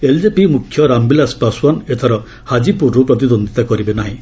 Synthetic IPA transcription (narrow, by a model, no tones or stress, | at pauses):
eld͡ʒepimukʰːjɔɾambilaspaswanet̪ʰaɾɔ | had͡ʒipuɾupɾɔt̪̬id̪ond̪ʱit̪akɔɾibenaɦĩ